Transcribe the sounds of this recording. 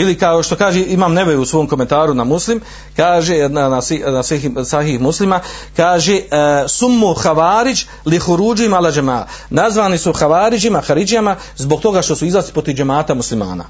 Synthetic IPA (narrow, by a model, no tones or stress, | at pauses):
ilikaoʃt̪o̞kaːʒeimaːmne̞ʋeɾuusʋo̞ːmko̞me̞nt̪aːɾunamuslim | kaːʒeanasinasiɦisaɦihmuslimakaːʒesumːoxaʋaːɾid͡ʒ | lixuɾuːd͡ʒuimalad͡ʒema̰ːnazʋaːnisuxaʋaːɾid͡ʒimaxaɾid͡ʒijama | zbo̞ɡ̚t̪o̞ɡaʃt̪o̞suizlˠaslipɾot̪ivd͡ʒemaːt̪amuslima̰ːna̰